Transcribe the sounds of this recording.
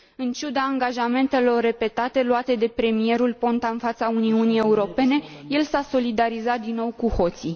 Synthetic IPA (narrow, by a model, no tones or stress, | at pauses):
ɨnt͡ʃud̪aːŋɡaʒame̞nt̪e̞lo̞rːe̞pe̞t̪at̪e̞luat̪e̞d̪e̞pɾe̞mie̞ɾulpo̞nt̪aɨnfat̪sauniunije̞uɾo̞pe̞ne̞je̞lsaso̞lid̪aɾizat̪̚d̪inːo̞wkuho̞t̪si